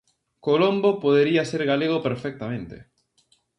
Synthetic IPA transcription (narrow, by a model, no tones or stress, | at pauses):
kolombopoðeɾiaseɾɣaleɣ̞opeɾfɛk̚t̪amẽnt̪ḛ